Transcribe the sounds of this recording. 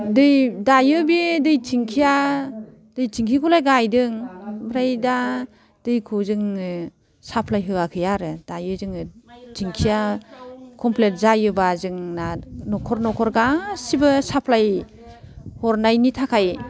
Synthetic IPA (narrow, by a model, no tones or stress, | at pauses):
dɯjdajɯbidɯjtʰiŋkʰija | d̥ɯjtʰiŋkʰikʰɔlajɡajdɯŋbɾajda | d̥ɯjkʰuzɯŋɯ | sapʰlajɦɯakʰɯjaɾɯd̥ajɯzɯŋɯtʰiŋkʰija | kʰɔmplet̚zajɯbazɯŋnanɔkʰɔɾnɔkʰɔɾɡasibɯsapʰlaj | hɔɾnajnitʰakʰaj